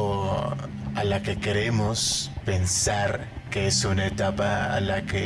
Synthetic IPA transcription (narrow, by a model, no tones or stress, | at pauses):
o | alakekeɾemospensaɾ | keesunaet̪apaa̰lake